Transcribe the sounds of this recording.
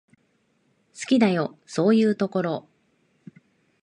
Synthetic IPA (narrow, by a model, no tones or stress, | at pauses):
sɨ̥kʲid̪ajo̞so̞ːjɯ̟ːt̪o̞ko̞ɾo̞